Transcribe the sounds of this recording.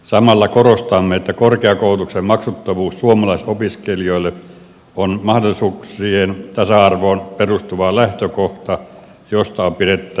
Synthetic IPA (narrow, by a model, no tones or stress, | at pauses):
sɑmɑlːɑkorost̪ɑmːeet̪ːækorkeɑkoˑut̪uksemmɑksut̪ːɑʋuːssuomɑlɑˑisopiskelioˑilːˑe | onmɑhdolːˑisuːkssiːhent̪ɑsɑɑrʋoːnperust̪uʋɑːlæht̪økoht̪ɑ | jost̪ɑopiret̪ːˑæ